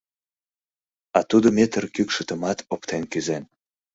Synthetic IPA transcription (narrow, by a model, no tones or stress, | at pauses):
ɑt̪ud̪omet̪ərkykʃət̪əmɑt̪opt̪enkyzen